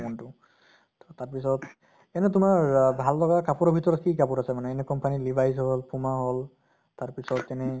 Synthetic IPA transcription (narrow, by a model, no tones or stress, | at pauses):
mɔntʊ | tɔtaɹpisɔt | ɛnɛtʊmaɹɹbʱallɔɡakapuɹɔbʱitɔɹɔt̚kikapuɹasɛmanɛːnɛkɔmpanilibʱajzɦɔlpumaɦɔl | taɹpisɔtɛnɛ